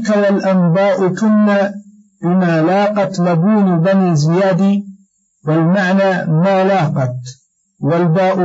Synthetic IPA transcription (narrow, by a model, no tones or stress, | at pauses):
kawalʔambaːʔʊkʊnːa | bɪmaːlaːqɑt̪labuːnbanizɪjaːd̪iː | walmaʕnaːmaːlaːqɑt̪ | walbaːʔ